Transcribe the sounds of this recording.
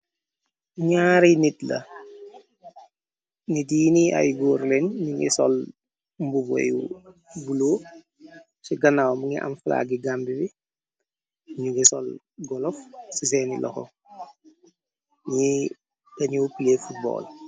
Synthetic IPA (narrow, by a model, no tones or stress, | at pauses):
ɲaːɾinitlɐ̰ | nitjinia̰jɡoːɾlɛnɲuŋɡḭsɔ̰l | mbubɔ̰jṵɡuloː | siɡɐnawmuŋiʔɐ̰mfla̰ːɡiɡambibi | ɲuŋɡisɔ̰l | ɡɔlɔfsis̬ɛnḭlʔɔ̰xɔ̰ | ɲi | ɡɐɲuwpilefut̚bɔ̰ːl